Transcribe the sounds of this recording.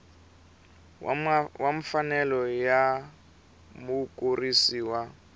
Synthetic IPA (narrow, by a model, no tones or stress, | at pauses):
waɱfanɛlɔja | mukʼurisiːwa